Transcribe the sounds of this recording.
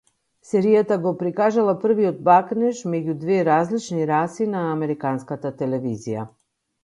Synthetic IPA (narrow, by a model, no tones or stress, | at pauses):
sɛɾijat̪aɡopɾikaʒalˠapr̩viod̪̚baknɛʃmɛɟud̪vɛɾazlit͡ʃniɾasinaːmɛɾikanskat̪at̪ɛlɛvizija̰